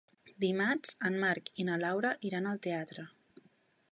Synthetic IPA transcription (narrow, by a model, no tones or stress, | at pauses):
d̪imazəmmaɾkinəlawɾəʔiɾanəlˠt̪eat̪ɾə